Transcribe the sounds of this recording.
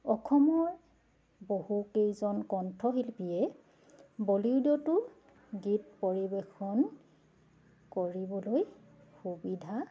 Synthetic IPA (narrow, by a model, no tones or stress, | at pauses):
ɔkʰɔmɔɹ | bohukejzɔnkɔntʰɹɔɦilpiɛ | boliwdɔtʊ | ɡitpoɹibexɔn | koɹibɔloj | xubidʱa